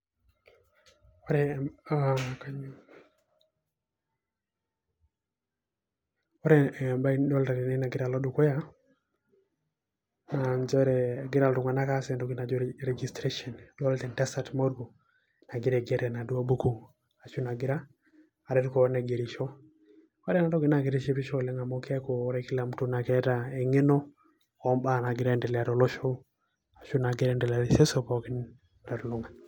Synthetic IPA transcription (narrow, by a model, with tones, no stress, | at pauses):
ɔ˦ɾɛ | ka | ɔ˦ɾɛ˨mba˦i˦dwɔ˦lta˨ɾi˨ni˦na˨ɡɪ˦ɾa˨lɔ˦du˨kwɛ˦ja˦ | nand͡ʒɛ˦ɾɛɡɪ˦ɾa˨ldʊ˨ŋa˨na˦kasɛ˨ndo˨ɡi˨na˨d͡ʒɔ˦ɾɛɡistɾeʃɔ˨ndɔ˦ltɛ˨ntɛ˦satmɔ˦ɾɡo˨ | na˨ɡɪ˦ɾɛ˨ɡɛ˦ɾɛ˨na˨du˦a˦bu˦ku˦ | a˨ʃu˦na˨ɡɪ˦ɾa˦ | a˨ɾɛ˦tkɔ˨nɛ˨ɡe˨ɾi˨ʃɔ˦ | a˦ɾɛ˦na˨dɔ˦ɡɪ˨na˦˨ɡɪ˨ɾɛ˦ʃe˦pi˦ʃɔ˦lɛ˦ŋa˨mo˦kɛ˦ko˨˦ɾɛ˦kɪ˦la˨mtu˦na˨kɛ˦tae˨ŋe˦nɔ˦ | ɔ˨mba˦˨na˨ɡɪ˨ɾa˦ndɛ˨lɛ˨a˨ɾɔ˨lɔ˦ʃɔ˦ | a˨ʃu˦na˨ɡɪ˦ɾɛndɛ˨la˨ɾi˨ʃɛ˦sɔ˦pɔ˨kɪ˦n | na˨ɾlʊ˨ŋa˨n